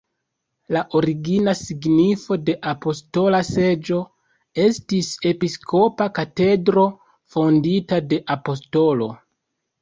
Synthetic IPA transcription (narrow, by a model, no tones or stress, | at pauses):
laʔo̞ɾiɡinasiɡnifo̞de̞ʔapo̞sto̞lase̞d͡ʒo̞ | e̞stise̞piskʰo̞pakate̞dɾo̞ | fo̞nditade̞ʔapo̞sto̞lo̞̰